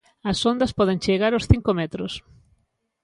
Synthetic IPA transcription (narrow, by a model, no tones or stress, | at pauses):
ɐsond̪ɐspɔðẽŋt͡ʃeɣaɾʊsθiŋkomɛt̪ɾʊs